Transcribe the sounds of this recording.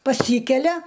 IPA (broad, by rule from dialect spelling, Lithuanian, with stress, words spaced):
pɐˈsʲiːkʲɛlʲɛ